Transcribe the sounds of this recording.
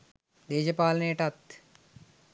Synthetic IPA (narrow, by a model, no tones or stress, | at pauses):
d̪eːd͡ʒɐpaːlneːʈɐt̪